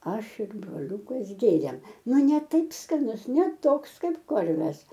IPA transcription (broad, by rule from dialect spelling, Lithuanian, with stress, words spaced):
ˈɐʃ ɪr broːˈlʲuːkɐs ˈɡʲeːrʲeːm ˈnʊ ˈnʲɛ ˈtɐɪp skɐˈnʊs nʲɛ ˈtoːks ˈkɐɪp ˈkoːrʲʋʲɛs